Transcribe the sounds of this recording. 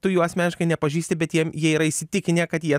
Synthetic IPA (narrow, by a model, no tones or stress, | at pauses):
t̪ʊjuːɑːsʲmʲɛnʲɪʃkɐɪnʲɛpɐʒʲiːsʲt̪ʲɪbʲɛt̪jiɛmjiɛiːɾɐɪsʲɪt̪ʲɪkʲɪnʲeːkɐt̪jiɛ